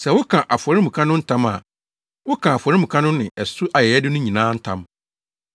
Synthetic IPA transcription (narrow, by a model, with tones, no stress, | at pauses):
sɛ˨wʊ˦kʰã˨ʔa˨fʊ˨ɔ˨ɾi˦mũ˨kʰã˦nʊ̃˦n̩˦tʰã˦ma˨ | wʊ˦kʰã˨a˨fʊ˨ɔ˨ɾi˦mũ˨kʰã˦nʊ̃˦nɪ̃˨ɛ˨sʊ˦ʔa˨jɛ˨jɛ˦dɪ˦nʊ̃˦ɲĩ˨nãː˦n̩˦tʰã̰˦m